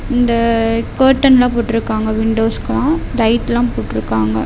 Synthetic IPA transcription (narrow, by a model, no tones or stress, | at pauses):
ɪnd̪ɐkɐɾʈːɐnlãːpoːʈːɪɾɯkːaːŋɡɐʋɪɳɖoːskɐɭãːd̪ɐɪt̪ːɪlãːpoːʈːɪɾɯkːaːŋɡɐ̰